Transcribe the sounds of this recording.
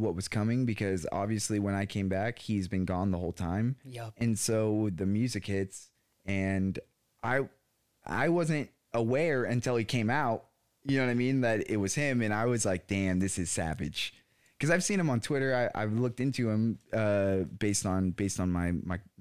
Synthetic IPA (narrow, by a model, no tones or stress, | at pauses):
wʌt̚wʌz̥kʰʌmɪ̃ŋbɨkʰʌzɑ̰bviɨsliwə̃naɪkʰẽɪ̃mbækhizbɨ̃nɡɔ̃nðəɦoʊlˠtʰãɪ̃mjɨ̃nsoʊwɪðɨmjʉzɨkhɪts | ɨ̃n | ʔaɪ | ʔa̰ɪwʌzɨ̃nt̚ | ʔəwɛɹɨ̃ntʰɪlˠikʰẽɪ̃maʊt̚ | jɨnoʊwʌ̃aɪmĩnðɨɾɪ̰t̚wʌz̥ɪ̃mɨ̃naɪwʌzlaɪk̚d̥æ̃mðɪsɨz̥sæ̰vɨ̰d̥ʒ̥ | kʰʌzaɪv̥sĩnɨ̃mə̃ntʰw̥ɪɾə˞aɪʔa̰ɪvlʊk̚tɪ̃ntʉɪ̃mʌb̥eɪstn̩beɪstn̩maɪmaɪ